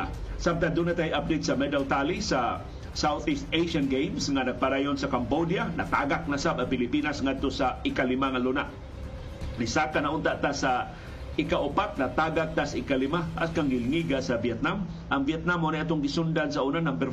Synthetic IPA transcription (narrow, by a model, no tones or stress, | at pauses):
sam̚t̪and̪unat̪ajʔap̚d̪ejt̪̚samɛd̪alt̪alisa | sawθist̪ejʃanɡejmsŋanɐɡ̚paɾaːjonsakambod̪janakaɡak̚nasabɐŋpɪlɪpinasŋad̪̚t̪osaɪkalɪmaŋalunaʔ | nisakanaʔʊnt̪aʔt̪asa | ɪkaʔʊpat̚nat̪aːɡak̚t̪asaʔɪkalɪmaʔaskaŋɡɪlŋiɡasabjɛt̪̚nam | ʔaŋviɛt̪̚namonajʔat̪oŋɡɪsund̪ansaunanaŋpɛɾ